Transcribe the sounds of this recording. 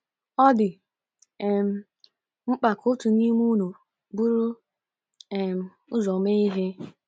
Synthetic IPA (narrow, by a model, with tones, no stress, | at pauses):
ɔ˦dɪ˨ | e˨m̩˨˦ | ŋ͡m̩˦k͡pa˨kʰʊ˦tu˨ni˦mu˦nu˨ | bu˦ɾʊ˦ | e˨m̩˦ | ʊ˦zɔ˨me˦i˦ɦe˦